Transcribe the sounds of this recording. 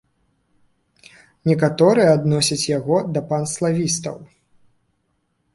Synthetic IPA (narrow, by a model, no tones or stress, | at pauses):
nʲɛkat̪ɔɾɨjɛad̪nɔsʲɐt͡sʲjaɣɔd̪ɐpanslˠavʲist̪ɐ̰w